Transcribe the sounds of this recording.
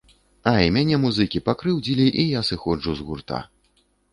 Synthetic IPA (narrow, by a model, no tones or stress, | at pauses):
aimʲanʲɛmuzɨkʲipakɾɨwd͡zʲilʲiʔijasɨxɔd͡ʐuzɣurt̪a̰